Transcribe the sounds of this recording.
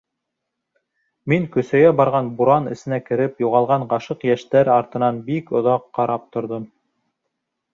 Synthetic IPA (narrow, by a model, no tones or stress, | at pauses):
miŋkɵ̆sæɡæbɑɾʁɑnbuɾɑnɘ̆sɘ̆nækɘ̆ɾɘpjuʁɑlˠʁɑɴɑʃɤqjæʃt̪æɾɑɾt̪ɤ̆nɑnbikŏðɑqːɑɾɑp̚t̪ŏɾðom